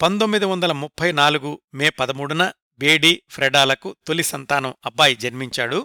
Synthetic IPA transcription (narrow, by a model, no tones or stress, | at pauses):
pɐnd̪omːid̪iʋɐnd̪ɐlɐmupʰːɐjnaːluɡumeːpɐd̪ɐmuːɽunɐ | beːɖiːpʰɾɛɖaːlɐkut̪olisɐnt̪aːnɐmɐbːaːjid͡ʒɐnmiɲt͡ʃaːɽu